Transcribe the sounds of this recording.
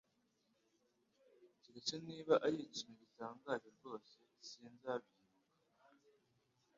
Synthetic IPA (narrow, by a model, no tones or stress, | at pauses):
ciɡat͡ʃoniːβaʔajeɟiʃimeɡisaːŋɡaɟoɾɟo̞ːse̞siːnzaβiɾuɡa